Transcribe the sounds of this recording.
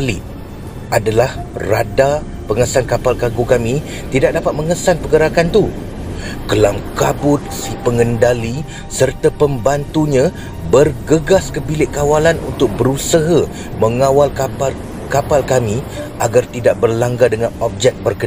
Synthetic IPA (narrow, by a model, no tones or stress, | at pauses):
li | ʔadalahrada | pəŋəsankapalkaɡukamĩ | t̪idak̚dapat̪̚məŋəsanpəɡəɾakant̪u | kəlamkabʊt̪̚sipəŋəndali | sərt̪apəmbant̪uɲã | bərɡəɡaskəbilɪʔkawalanṵnt̪ʊk̚bəɾusaɦa | mə̃ŋãwalkapal | kapalkamĩ | ʔaɡart̪idaʔ̚bərlaŋɡadəŋanɔp̚d͡ʒɛk̚bərkə